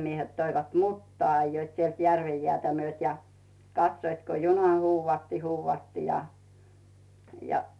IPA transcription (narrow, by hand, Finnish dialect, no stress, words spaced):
miehet toiʋɑt mutːŏɑˑ ɑjːoit sielt jærʋej jeæˑtæ myøt jɑ kɑtsoit ko junɑ huːʋːɑtːi huːʋːɑtːi jɑ jɑ